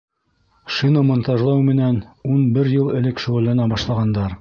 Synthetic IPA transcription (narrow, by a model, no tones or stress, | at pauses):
ʃinomŏnt̪ɑʒlˠɑwmɘ̆nænunbɘɾjɤlˠɘ̆lɘkʃŏʁɤ̆lːænɑbɑʃlˠɑʁɑnd̪ɑɾ